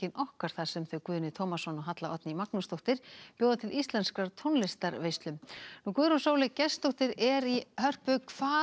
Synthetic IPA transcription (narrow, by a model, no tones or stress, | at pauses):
ɪnʔɔhkaɾ̥θasɛmθœɥkvʏːðnɪt̪ʰowmasɔnɔɦat̪laʔɔt̪nɪimaknʏst̪oht̪ɪɾ̥pjoːwðat̪ʰɪlʔist̪lɛnskɾaɾt̪ʰownlɪst̪aɾvejst̪lʏmnukvʏːðɾunsowlɪcɛst̪oht̪ɪɾɛɾihœr̥pʏkʰv̥aː